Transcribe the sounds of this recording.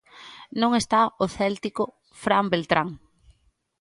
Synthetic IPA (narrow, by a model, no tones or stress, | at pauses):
nõŋest̪aoθɛlt̪ikʊ | fɾambelt̪ɾaŋ